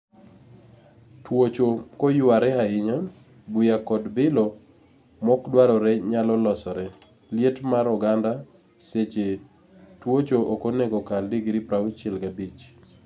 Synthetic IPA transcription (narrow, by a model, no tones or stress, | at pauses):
twot͡ʃokɔjʊwaɾɛaɪɲa | bujakɔdbɪlɔ | mɔkdwaɾɔɾɛɲalɔlɔsɔɾɛ | ljetmaɾɔɡanda | set͡ʃe | twot͡ʃoʔokoneɡɔkaldiɡɾipɾawt͡ʃɛlɡabit͡ʃ